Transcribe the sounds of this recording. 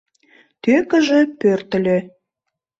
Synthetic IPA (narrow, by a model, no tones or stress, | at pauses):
t̪økə̆ʒĕpørt̪ə̆lʲe